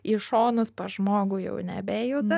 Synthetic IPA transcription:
ɪʃoːnʊspɐʒmoːɡʊːjɛ̰ʊnʲɛ̰bʲeːjod̪ɐ

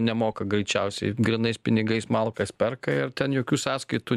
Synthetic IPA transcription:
nʲɛmoːkɐɡɾʲɛɪt͡ʃʲɛʊsʲɛ̰ɪɡɾʲɪnɐɪspʲɪnʲɪɡɐɪsmɐlˠkɐspʲɛrkɐɪɾt̪ʲɛnjoːkʲuːsɑːskɐɪt̪u

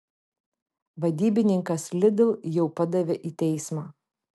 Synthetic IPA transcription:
ʋɐd̪ʲiːbʲɪnʲɪŋkɐslʲɪd̪ʲɪlˠjɛʊpɐd̪ɐʋʲeʔiːt̪ʲɛɪsmɑː

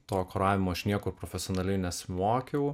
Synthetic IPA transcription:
t̪oːkoɾɑːʋʲɪmoːɪʃnʲiɛkʊɾpɾoːfʲɛsʲɪoɔnɐlʲɛɪnʲɛsʲɪmoːkʲɛʊ

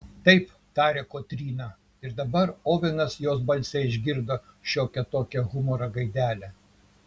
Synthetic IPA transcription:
t̪ɐɪp | t̪ɑːɾʲɛːkoːt̪ʲɾʲiːnɐ | ɪɾd̪ɐbɐɾoːʋʲɪnɐsjoːs̬bɐlʲsʲɛɪʒʲɡʲɪɾd̪oːʃʲoːkʲɛt̪oːkʲɛɣʊmoɾɐɡɐɪd̪ʲæːlʲæ

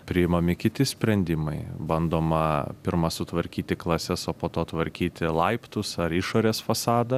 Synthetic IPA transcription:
pʲɾʲɪɪmomʲɪkʲɪt̪ʲɪsʲpʲɾʲɛnʲd̪ʲɪmɐɪbɐnd̪oːmɐpʲɪɾmɐsʊt̪ʋɐɾʲkʲiːt̪ʲɪklˠɐsʲɛsoːpoːt̪oːt̪ʋɐɾʲkʲiːt̪ʲɪlˠɐɪpt̪ʊsɐɾɪʃoːɾʲeːsfɐsɑːd̪ɐ

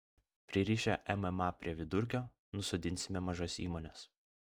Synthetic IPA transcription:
pʲɾʲɪɛɾʲiːʃʲæʔɛmɛmɑpʲɾʲiɛʋʲɪd̪ʊɾʲk̬ʲoː | nʊsod̪ʲɪnʲsʲɪmʲɛmɐʒosḭːmoːnʲɛs

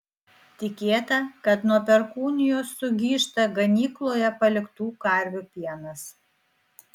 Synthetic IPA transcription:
t̪ʲɪkʲeːt̪ɐkɐt̪nuɔpʲɛɾkuːnʲɪjoːsːʊɡʲiːʃt̪ɐɡɐnʲiːklˠoːjɛpɐlʲɪkt̪uːkɐɾʲʋʲupʲiɛnɐs

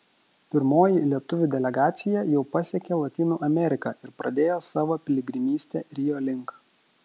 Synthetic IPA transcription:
pʲɪɾmoːjilʲiɛt̪ʊʋʲuːd̪ʲɛlʲɛɡɑːt̪sʲɪjɛjɛʊpɐsʲɛkʲelˠɐt̪ʲiːnuːʔɐmʲɛɾʲɪkɑːʔɪɾpɾɐd̪ʲeːjoːsɑːʋoːpʲɪlʲɪɡʲɾʲɪnʲiːsʲt̪ʲeːɾʲɪjoːlʲɪŋk

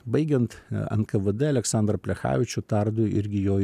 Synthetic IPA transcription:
bɐɪɡʲɛnt̪ɐ̰nkɐʋɨd̪ɛɐlʲɛksɑːˑnd̪ɾɐpʲlʲɛxɑ̰ːʋʲɪt͡ʃʲʊt̪ɐɾd̪ʊɪ̰ɾʲɡʲɪjoː

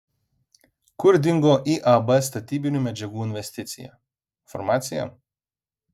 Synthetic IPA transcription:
kʊɾd̪ʲɪŋɡoːʔiːʔɐbɛst̪ɐt̪ʲiːbʲɪnʲuːmʲɛd͡ʒʲɛɡuːɪnʲʋʲɛsʲt̪ʲɪt̪sʲɪ̰jæ̰ | fɔ̰ɾmɑːt̪sʲɪjɛ̰m

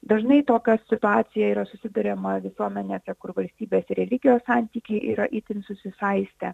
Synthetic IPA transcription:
d̪ɐʒnɐɪt̪oːkʲɛssʲɪt̪ʊɑːt̪sʲɪjɛiːɾɐsʊsʲɪd̪ɐɾʲɛmɐʋʲɪsuɔmʲɛnʲeːsʲɛkʊɾʋɐlʲsʲt̪ʲiːbʲeːsɪɾʲɛlʲɪɡʲɪjoːssɑˑnʲt̪ʲiːkʲɛɪʔḭːɾɐʔiːt̪ʲɪnsʊsʲɪsɐɪsʲt̪ʲɛ

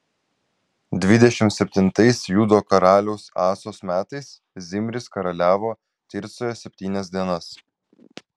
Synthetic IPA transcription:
d̪ʲʋʲɪd̪ʲɛʃʲɪmt̪sʲɛpʲt̪ʲɪnt̪ɐɪsjuːd̪oːkɐɾɑːlʲɛʊsɑːsoːsmʲæːt̪ɐɪs | zʲɪmʲɾʲɪskɐɾɐlʲæːʋoː | t̪ʲɪɾʲt̪soːjoːsʲɛpʲt̪ʲiːnʲɛsd̪ʲiɛnɐs

